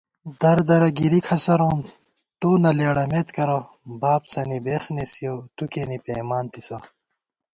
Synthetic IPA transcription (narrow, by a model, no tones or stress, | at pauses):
d̪ɐɾd̪ɐɾɐɡiɾikʰɐsɐɾõːn | t̪uːnɐleːɽɐmet̪kɐɾo | baːpsɐnibexnesijot̪ukenipeːmaːnt̪isɐ